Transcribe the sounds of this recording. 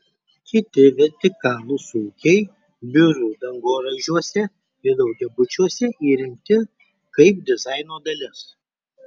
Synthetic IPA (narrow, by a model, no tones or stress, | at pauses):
kʲɪt̪ʲɪʋʲɛɾʲt̪ʲɪkɑːlˠusuːkʲɛɪ | bʲʊɾuːd̪ɐŋɡoːɾɐʒʲuɔsʲɛ | ɪɾd̪ɐʊɡʲɛbʊt͡ʃʲuɔsʲɛʔiːɾʲɪmʲt̪ʲɪ | kɐɪp̚d̪ʲɪzɑɪnoːd̪ɐlʲɪs